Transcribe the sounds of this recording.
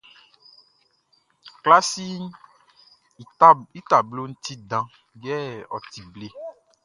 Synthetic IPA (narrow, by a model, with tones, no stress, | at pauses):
kla˦si˦ | i˦t̪a˨blo˦ñ̩˦t̪i˦dã˨ | ɡɛ˦ɔ̰˨t̪i˨ble˦